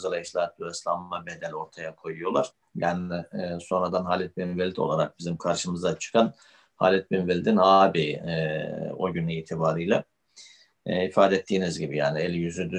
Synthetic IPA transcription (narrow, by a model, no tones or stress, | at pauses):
zalˠaiʃlʲˠat̪̚byɛslˠammabe̞d̪ælʲo̞ɾt̪ʰajakʰo̞jujo̞lˠaɾ̥ | bænɛso̞nɾad̪anɦaːlʲɛt̪̚binvelʲit̪ʰo̞̰lˠaɾak̚bizimkʰaɾʃɯmɯzd̪at͡ʃʰɯ̥kʰan | ha̰ːlʲɛt̪̚binvelʲit̪inaːbi | oɟynɛiːt̪ʰibaːɾɯjlʲˠa | ifaːd̪ɛɛt̪ʰːiːnizɟibijaːniɛlʲjyzyd̪y